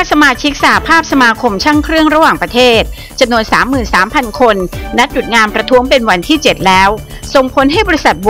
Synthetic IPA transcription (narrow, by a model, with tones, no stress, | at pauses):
aː˥˩sa˧maː˧t͡ɕʰi˦˥k̚sa˧˩a˧˦pʰaː˥˩p̚sa˧maː˧kʰo˧mt͡ɕʰa˥˩ŋkʰɾɯ˥˩əŋɾa˦˥waː˨˩ŋpɾa˧t̪ʰeː˥˩t̪̚ | t͡ɕa˧mnu˧ənsaː˩˦mːɯː˨˩nsaː˩˦mpʰa˧nkʰo˧nːa˦˥t̪̚t͡ɕu˨˩t̪̚ŋaː˧npɾa˧t̪ʰu˦˥əŋpe˧nwa˧nt̪ʰiː˥˩t͡ɕe˨˩t̪̚lɛː˦˥w | so˨˩ŋpʰo˩˦nɦa˥˩jbɔː˧ɾi˦˥sa˨˩t̪̚